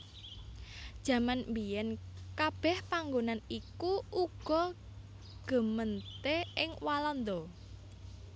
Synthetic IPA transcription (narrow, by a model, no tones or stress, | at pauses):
d̥ʒ̥ä̤manmbijɛnkab̥ɛ̤hpaŋɡonanikuuɡ̥ɔ̤ | ɡ̥ə̤mənt̪eɪŋwalɔnd̪ɔ